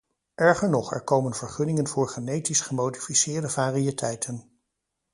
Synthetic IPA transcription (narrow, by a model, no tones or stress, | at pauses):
ʔɛɹχəɹnɔχɛ̰ɹkowmənv̥əɹχɵnɪŋənvʊːɹχanejtisχəmowdifisɪːɹdəvaːriətʰɛjtʰən